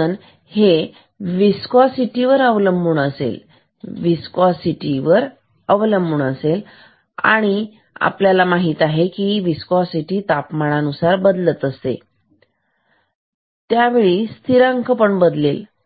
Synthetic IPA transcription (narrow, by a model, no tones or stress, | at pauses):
ən | he | ʋiskɔsiʈiʋəɾəʋləmbuɳəsḛl | ʋiskɔsiʈiʋəɾ | əʋləmbuɳəsel | a̰ɽ̃i | a̰pljalamaɦiːt̪aɦekiʋiskɔsiʈiːt̪apmaɽ̃anusaɾbəd̪lət̪əst̪ḛ | t̪jaʋeɭist̪ʰiɾaŋkəpəɳbəd̪lel